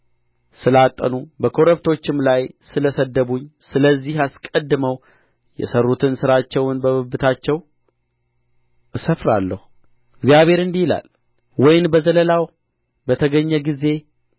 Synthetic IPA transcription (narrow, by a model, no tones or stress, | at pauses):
sɨlat̪ʼːənubəkʰo̞ɾəbt̪ʰo̞t͡ʃːɪmlajsɨləsəd̪əβuɲːsɨləzːihaskʼəd̪ːɨməw | jɛ̰sərːut̪ʰɨnsɨɾat͡ʃːɛwnbəβɨbɨt̪ʰat͡ʃːɛw | ɨsəfɾalːəhu | ɨɡzjaβhe̞ɾɨnd̪ihla̰l | wɔjɪnbəzələlaw | bət̪ʰəɡəɲːɛɡize̞